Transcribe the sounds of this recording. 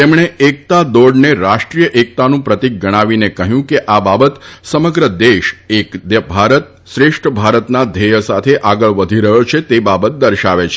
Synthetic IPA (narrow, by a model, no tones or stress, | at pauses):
t̪emɳ̃eʔek̚t̪ad̪oɖneɾaʃʈɾijəʔek̚t̪anũpɾət̪ik̚ɡəɽ̃aʋinekəɦjũkeʔababət̪səməɡɾəd̪eʃekd̪əbʱaɾət̪ | ʃɾeʃʈəbʱaɾət̪nad̪ʱejəsat̪ʰeʔaɡəɭʋəd̪ʱiɾəjot͡ʃʰet̪ebabət̪̚d̪əɾʃaʋet͡ʃʰ